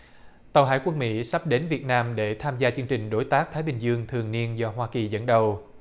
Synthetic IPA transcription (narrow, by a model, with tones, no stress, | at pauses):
t̪ə˨˩wɦa̰ː˧˩jkwə˧nmḭ˧˥sa˦˥p̚ɗe˨˦nvi˨˩ət̚naː˧mɗe˧˩t̪ʰaː˧mzaː˧t͡ɕɨ˧əŋt͡ɕï˨˩ŋ̟ɗo˨˦jt̪aː˦˥k̚t̪ʰaː˨˦jɓï˨˩ŋ̟zɨ˧əŋt̪ʰɨ˨˩əŋni˧ənzɔ˧ɦwaː˧ki˨˩zə̰˧˥nɗə˨˩w